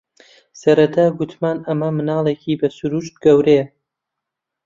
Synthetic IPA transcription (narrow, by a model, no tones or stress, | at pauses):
sɐɾɐt̪ʰaːɡut̪ʰmaːnɐmɐmɨnɑːlˠekʰiːbɐsuɾuʃt̪̚ɡɐwɾe